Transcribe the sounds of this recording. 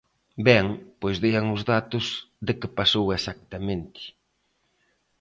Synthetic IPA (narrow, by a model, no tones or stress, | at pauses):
bɛŋpojzðeaŋʊzðat̪ʊzðɪkɪpasowesak̚t̪amẽnt̪ɪ̥